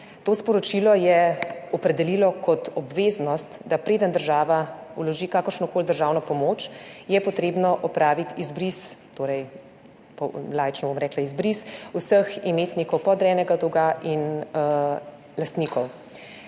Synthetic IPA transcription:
t̪oːspɔɾɔt͡ʃilɔjɛɔpɾɛd̪ɛlilɔkɔt̪ɔbʋeːznɔst̪d̪apɾeːd̪ənd̪əɾʒaːʋaṵlɔʒikaːkəɾʃnɔkoːld̪əɾʒaːwnɔpɔmoːt͡ʃjɛpɔt̪ɾeːbnɔʔɔpɾaːʋit̪izbɾist̪oːɾɛj | pɔlaːjt͡ʃnɔbomɾɛːklaizbɾisusəximeːt̪nikɔwpɔd̪ɾɛːnɛɡad̪ɔɡaʔin | last̪niːkɔw

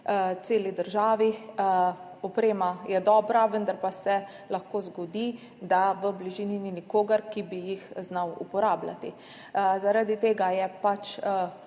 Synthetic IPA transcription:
t̪seːlid̪əɾʒaːʋi | ɔpɾeːmajɛd̪ɔːbɾaʋənd̪aɾpasɛ | laxkoːzɡɔd̪i | d̪aʋəbliʒiːnininikoːɡəɾkibijixznawṵpɔɾaːbla̰t̪i | zaɾad̪it̪eːɡajɛpat͡ʃ

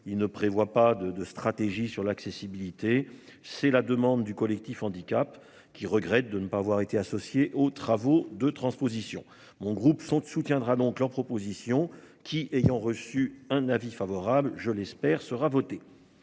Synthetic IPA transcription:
ilnəpχevwapad̪əd̪əst̪χat̪eʒisyʁlaksesibilit̪e | sɛlad̪əmɑ̃d̪d̪ykɔlɛk̚t̪ifɑ̃d̪ikʲap | kʲiʁəɡʁɛt̪̚d̪ənəpaːvwaʁet̪easɔsjeʔot̪χavod̪ət̪χɑ̃spozisjɔ̰̃ | mɔ̃ɡʁupsɔ̃t̪sut̪jɛ̃d̪ʁad̪ɔ̃kləʁpχɔpozisjɔ̃ | kʲʰiʔejɑ̃ʁəsyɛ̃navifavɔʁablʒəlɛspɛʁsəʁavɔt̪e

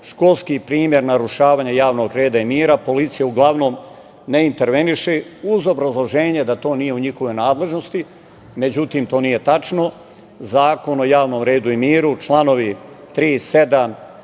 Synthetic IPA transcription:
ʃko̞lˠskipɾiːmje̞ɾnaɾuʃaːʋaːɲajaːʋno̞ɡɾe̞ːd̪aimiːɾapo̞lit̪sijauɡlˠaʋno̞m | neint̪e̞ɾʋe̞niʃeuzo̞bɾazlˠo̞ʒeːɲed̪at̪o̞ːnije̞uɲixoʋo̞jnaːd̪le̞ʒnost̪i | me̞d͡ʑut̪iːmt̪o̞ːnije̞t̪at͡ʃno̞ | zaːko̞no̞jaːʋnomɾe̞ːd̪uimiːɾut͡ʃlˠano̞ʋi | t̪ɾiːse̞d̪am

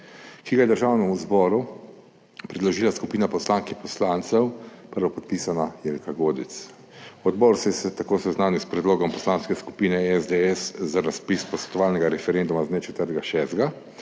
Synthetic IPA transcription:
kiɡajɛd̪əɾʒaːwnɛmuzbɔːɾu | pɾɛd̪lɔʒiːlaskupiːnapɔslaːŋkipɔslant̪sɛwpəɾʋɔpɔt̪̚pisanajɛlkaɡoːd̪it̪s | ɔd̪bɔːɾsɛsɛt̪akoːsɛznaːnjiwspɾɛd̪loːɡɔmpɔslanskɛsku̥piːnɛɛzd̪eɛszaɾaspispɔsʋɛ̥t̪ɔʋaːlnɛɡaɾɛfɛɾend̪umaznɛt͡ʃɛt̪əɾt̪ɡaʃɛsd̪ɡa

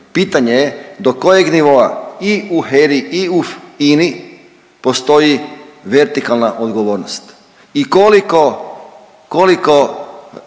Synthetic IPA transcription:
pit̪aɲejed̪oko̞jeɡniʋo̞aiuɦeɾiiufini | po̞st̪o̞jiʋe̞ɾt̪ikalˠnaʔod̪ɡo̞ʋo̞ːɾnost̪ | ikoliko | koliko

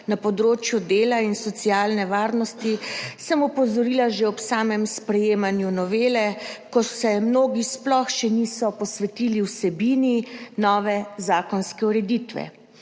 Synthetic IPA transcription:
napɔd̪ɾoːt͡ʃjud̪eːlainsɔt̪siaːlnɛʋaːɾnɔst̪isɛmɔpɔzɔɾiːlaʒeɔpsaːmɛmspɾɛjeːmanjunɔʋeːlɛkɔsɛmnoːɡisplɔxʃɛnisɔpɔsʋɛt̪iːliwsɛbiːninɔːʋɛzaːkɔnskɛuɾɛd̪it̪ʋɛ̰

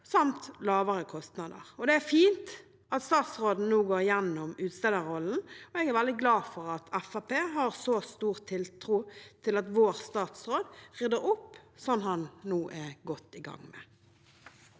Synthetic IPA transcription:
sɑmt̪lɑːʋəɾəkʰɔst̪nɑd̪ə̰ʁɔd̪ɛæɾfiːnt̪ | ʔɑt̪st̪ɑːt̪sɾoːd̪n̩nuːɡoːɾjɛnːɔmʉːt̪st̪ɛd̪əɾɔln̩ɔɛɡæɾʋæld̪ɪɡlɑːfɔɾɑt̪ʰɛfɑpʰeːɦɑʁsɔst̪uːʁt̪ʰɪlt̪ʰɾuːt̪ʰɪlɑt̪ʋoːʁst̪ɑːt̪sɾoːd̪ʁʏd̪əɾʊpːsɔnːhɑnnuːʔɛɡɔt̪ːɪɡɑ̰ŋmɛ̰

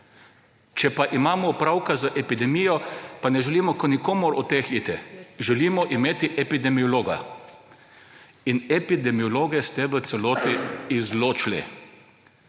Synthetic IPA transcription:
t͡ʃɛpaʔimaːmɔupɾawkazaʔɛpid̪ɛmijɔpanɛʒɛliːmɔkɔnikoːmʊɾɔt̪ːexit̪ɛʒɛliːmɔʔimeːt̪iʔɛpid̪ɛmiɔloːɡa̰ | inɛpid̪ɛmiɔloːɡɛst̪ɛʋət̪sɛloːt̪iːzloːt͡ʃlḭ

